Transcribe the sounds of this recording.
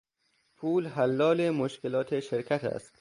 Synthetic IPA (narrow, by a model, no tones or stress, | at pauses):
pʰuːlɦælːɒːlemoʃkʰelɒːt̪ʰeʃeɾkʰæt̪ʰæ̰st̪